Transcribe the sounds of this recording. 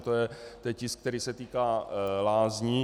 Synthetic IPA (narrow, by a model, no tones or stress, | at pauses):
t̪ojɛt̪ɛcɪsk̚t̪ɛɾiːsɛt̪iːkaːlaːzɲi